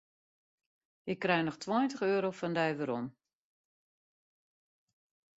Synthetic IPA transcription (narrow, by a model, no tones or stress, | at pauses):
ʔɪkːrɛjnɔxtʰwɔjntəxøːɾowfɔndɛjʋəɾom